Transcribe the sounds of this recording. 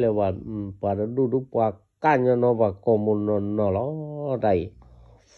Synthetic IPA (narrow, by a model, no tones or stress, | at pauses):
lewapadadudupuakaɲɔnɔβakɔmunɔnɔlɔdai